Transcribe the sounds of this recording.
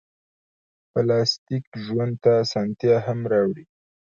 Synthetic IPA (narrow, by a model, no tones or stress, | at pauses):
plɑst̪ikʒwand̪̚t̪aːsɑnt̪jɑɦamɾɑwɽi